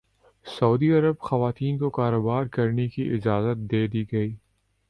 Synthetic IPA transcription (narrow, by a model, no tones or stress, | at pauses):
sɐud̪iɐɾəbxɐʋaːt̪iːnkokaːɾoːbaːɾkɐɾnekiʔɪd͡ʒaːzət̪̚d̪eːd̪iɡɐiː